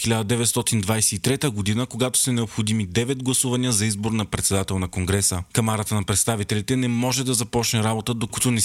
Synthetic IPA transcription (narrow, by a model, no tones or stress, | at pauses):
xilʲad̪əd̪ɛvɛt̪st̪ɔt̪ind̪vajsɛit̪ɾɛt̪əɡod̪inəkoɡat̪o̥sɐnɛopxod̪imid̪ɛvɛd̪̚ɡlˠɐsuvɐniəzɐizboɾnɐpɾɛt̪sɛd̪at̪ɛlˠnɐkoŋɡɾɛsəkɐmaɾət̪ənɐpɾɛt̪st̪avit̪ɛlʲit̪ɛnɛmɔʒɛd̪ɐzɐpɔt͡ʃnɛɾabot̪əd̪okut̪onɛ